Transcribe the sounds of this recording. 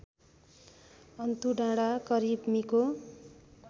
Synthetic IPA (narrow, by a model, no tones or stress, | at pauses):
ʌnt̪uɖãɽakʌɾibmiko